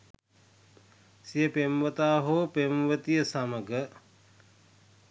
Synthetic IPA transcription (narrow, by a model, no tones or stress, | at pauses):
sijəpemʋət̪aːɦopemʋət̪ijəsaməɡə